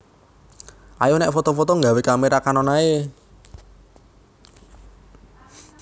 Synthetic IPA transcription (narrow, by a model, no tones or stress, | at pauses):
ʔajonɛʔfot̪ɔfɔt̪ɔŋɡawekameɾakanɔnae